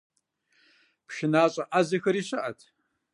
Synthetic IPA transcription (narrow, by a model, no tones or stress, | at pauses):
pʃɪnaːɕʼɐʔazɐxɐɾiːɕɐʔɐtʰ